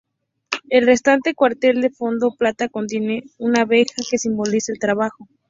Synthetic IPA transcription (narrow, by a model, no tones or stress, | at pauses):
e̞lre̞st̪ant̪e̞kwaɾt̪e̞ld̪e̞fo̞nd̪o̞plat̪ako̞nt̪je̞ne̞unaβe̞xake̞simbo̞lisaelt̪ɾaβaxo̞